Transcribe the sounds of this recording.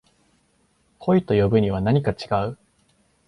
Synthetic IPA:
kʰo̞it̪o̞jo̞bɯ̟ɲ̟iβ̞anaɲ̟ikat͡ɕiɡaɯ̟

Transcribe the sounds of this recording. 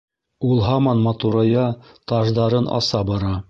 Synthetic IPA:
ulˠɦɑmɑnmɑt̪uɾɑjɑ | t̪ɑʒd̪ɑɾɤnʔɑ̰sɑbɑɾɑ

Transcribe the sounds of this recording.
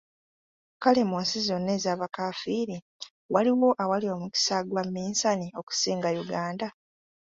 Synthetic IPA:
kale̞moːnsizo̞nːe̞ːzaːβakafiɾi | waliwo̞ʔawalio̞ːmuci̥saːɡwamːiːnsanio̞ku̥siːŋɡajuɡaːnda

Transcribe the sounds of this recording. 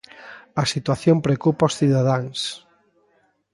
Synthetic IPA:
ɐsit̪waθjompɾeokupaosθiðaðaŋs

